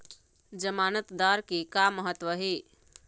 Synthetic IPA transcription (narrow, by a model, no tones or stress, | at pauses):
d͡ʒəmaːnət̪d̪aɾkikamːəɦət̪ːʋəɦi